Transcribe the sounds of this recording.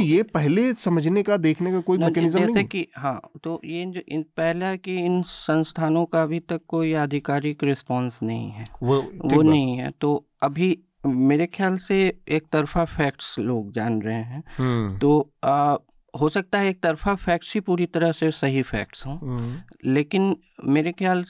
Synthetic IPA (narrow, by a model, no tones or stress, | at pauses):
jepɛɦlesɐməd͡ʒʱnekad̪eːkʰnekakoːimɛkɛnɪzəmd͡ʒɛːsekiɦãːt̪ojed͡ʒoɪnpɛɦlakiɪnsɐ̃nst̪ʰaːnõkaɐbʱit̪ɐkːoːiəd̪ʱɪkaːɾɪkɾɪspɔ̃ːnsnɐɦḭ̃ɦɛːʋonɐɦĩɦɛ̰ːt̪oː | ɐbʱi | meːɾexʰjaːlseeːk̚t̪ɐɾfafʰɛːk̚ʈsloːɡd͡ʒaːnɾɐɦẽɦɛ̃ːt̪oː | ɦoːsɐk̚t̪aɦɛeːk̚t̪ɐɾfafʰɛːk̚ʈsɦipuːɾit̪ɐɾəsesɐɦifʰɛ̰ːk̚ʈsɦõːleːkɪn | meːɾexjaːl